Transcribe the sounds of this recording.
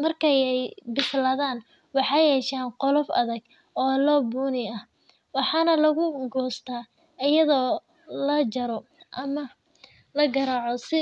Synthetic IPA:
mɐrkʰɛjɛjbɪslɐðaːn | wɑħɑjɛːʃaːnqɔlɔfɐ̰ðɐɡ | ɔːlɔːbuːnɪɐh | wɑħɑːnɐlɐɣʊɡɔːst̪ʰaː | ɪjɐðɔː | lɐd͡ʒɐɾɔ | ʔɐmɐ | lɐɡɐɾaːʕɔsɪ

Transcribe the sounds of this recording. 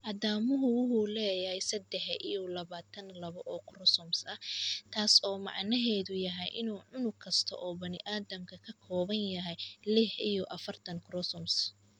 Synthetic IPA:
ʔɐðaːmʊɦʊwʊɦuːlɛːjɐhɛjsɐd̪ɛħḭjɔlɐβaːt̪ʰɐnlɐβɐʔɔːkʰrɔsɔmsɐht̪ʰaːsɔːmɑ̰ʕnɐɦɛːðʊjɐɦɛjʔɪnuːʕʊnʊkʰɐst̪ʰɔ̰ʔɔːbɐnɪʔaːðɐmkʰɐkʰɐkʰɔːβɐnjɐɦɛjlɪħʔijɔʔɐfɐrt̪ʰɐŋkrɔsɔms

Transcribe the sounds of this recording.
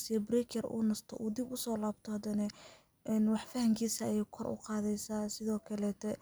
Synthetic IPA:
sibrɛkʰɛrṵːnɐst̪ʰɔʔuːd̪ibʊsɔːlaːbt̪ʰɔhɐd̪ɐnɛ | ʔɛnwɑħfɐhɐŋkʰiːsɐjɛkʰɔrʔʊ̰qɑːðɛjsaːsɪðɔːkʰɐlɛːt̪ʰɛ

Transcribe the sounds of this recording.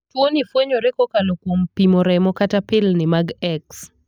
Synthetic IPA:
twonifweɲoɾekɔkalokwompimoɾɛmɔkatapɪlnɪmaɡɛks

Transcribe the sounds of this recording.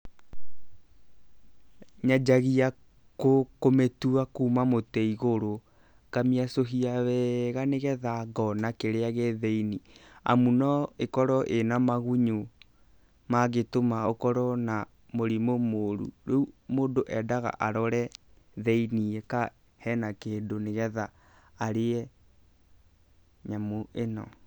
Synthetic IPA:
ɲad͡ʒaɣia | kokometuakuːmamotɛiɣoɾo | kamiasoɦiaβɛɣaneɣɛðaɡɔnakeɾeaɣeðeinia̰munɔekɔɾɔʔenamaɣuɲo | maɣetomaokɔɾɔna | moɾimomoɾṵɾeumoːdoʔɛdaɣa̰ʔaɾɔɾɛ | ðɛiniɛka | hɛnakeːndoneɣɛðaː | ɾeɛ | ɲamoenɔ̰

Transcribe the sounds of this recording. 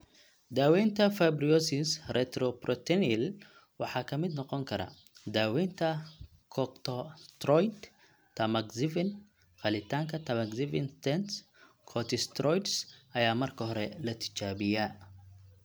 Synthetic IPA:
d̪aːwɛjnt̪ʰɐfɐbriɔsɪsrɛt̪ɾɔprɔt̪ʰɛnɪl | wɑħɑːkʰɐmɪd̪nɔqɔŋkʰɐɾɐ̰ | d̪aːwɛːnt̪ʰɐ | kʰɔkt̪ʰɔst̪rɔjd̪ | t̪ʰɐmɐɡsɪvɪn | qɐlɪt̪ʰaːŋkʰɐt̪ʰɐmɐɡsɪvɪnst̪ɛns | kʰɔt̪ʰɪst̪ɾɔjt̪sʔɐjaːmɐrkʰɐɦɔɾɛlɐt̪ʰɪ̥t͡ʃaːβɪjaː

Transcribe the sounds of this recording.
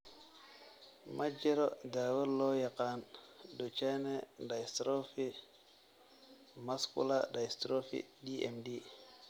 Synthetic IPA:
mʔad͡ʒeɾodawəlojakandot͡ʃenendajstɾofi | maskṵladajstɾofḭdiʔḛmdi

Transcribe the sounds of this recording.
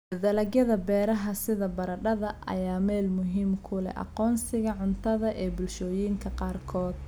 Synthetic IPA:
ðɐlɐɡjɐðɐbɛːɾɐɦɐsɪðɐbɐɾɐɖɐðɐʔɐ̰jaːmɛːlmʊɦiːmkʰʊlɛ̰ʔɑ̰qɔːnsɪɣɐʕʊnt̪ʰɐðɐʔɛːbʊlʃɔːjiːŋkʰɐqɑːrkʰɔːd̪

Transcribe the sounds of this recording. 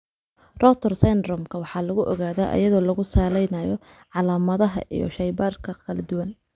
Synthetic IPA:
rɔt̪ʰɛrsɛnd̪ɾɔmkʰɐwɑħɑːlɐɣʊʔɔɣaːðaːʔɐ̰jɐðɔːlɐɣʊsaːlɛjnɐjɔ | ʕɑlaːmɐðɐɦɐ̰ʔḭjɔ̰ʃɐjbaːrkʰɐkʰɐlɐd̪ʊwɐn

